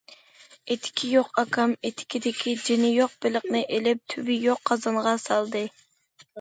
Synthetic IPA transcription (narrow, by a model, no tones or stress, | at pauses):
et̪ʰːɪ̥kʲʰijoqɑkʰɑmet̪ʰːɪ̥kʲʰid̪ɪkʲʰid͡ʒɪnɪjoq̚bɪləqnɨʔelɪp̚t̪ʰybɪjoqʰːɑzɑɴʁɑsɑlˠd̪ɨ